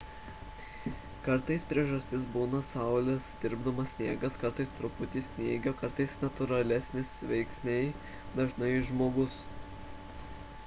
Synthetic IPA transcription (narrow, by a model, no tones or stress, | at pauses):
kɐɾˑt̪ɐɪspʲɾʲiɛʒɐsʲt̪ʲɪs̬buːnɐsɑˑʊlʲɛsd̪ʲɪɾbd̪ɐmɐsʲsʲnʲḭɛɡɐskɐɾt̪ɐɪst̪ɾʊpʊt̪ʲiːsʲnʲiɛɡʲoːkɐɾt̪ɐɪsnɐt̪ʊɾɐlʲɛsʲnʲɪsʋʲɛɪksʲnʲɛɪ | d̪ɐʒnɐɪʒmoːɡʊs